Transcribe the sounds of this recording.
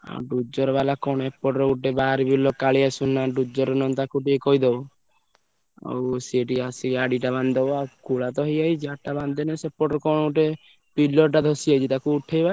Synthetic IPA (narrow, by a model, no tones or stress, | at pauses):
a̰ɖud͡ʒɔɾbalakɔɽ̃ɔepːɔʈɾɔuʈebaɾibilɔkːaɭiasunːaɖud͡ʒɔɾɔnɔnt̪akuʈikɔjd̪ɔ | a̰wseʈiasikaɖiʈaband̪ɔakuɭat̪ɔɦɔjaid͡ʒaʈaband̪enesepːɔʈɔɾkɔñɔuʈe | pilɔɾʈad̪ʱɔsiajt͡ʃit̪akuuʈʰejba